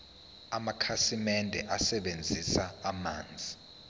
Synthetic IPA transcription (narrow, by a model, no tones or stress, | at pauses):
amakʰasimɛndʱɛ̰ʔasɛɓend͡zʱisaːmaːnd͡zʱi